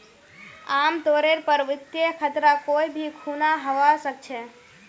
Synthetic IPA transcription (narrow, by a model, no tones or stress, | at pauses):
amt̪oɾeɾpəɾʋɪt̪jekʰət̪ɾakoibʱikʰunaɦəʋasək̚t͡ʃʰɛ